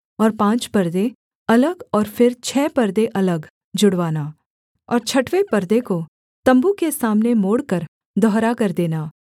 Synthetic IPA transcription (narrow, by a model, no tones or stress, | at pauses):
ɔːɾpãːt͡ʃpɐɾd̪e | ɐləɡɔːɾfɪɾt͡ʃʰɛːpɐɾd̪eʔɐləɡ | d͡ʒʊɽʋaːnaː | ɔːɾt͡ʃʰɐʈwepɐɾd̪eko | t̪ɐ̃mbukesaːmnemoːɽkəɾ | d̪ʱɔɦɾakɐɾd̪eːnaː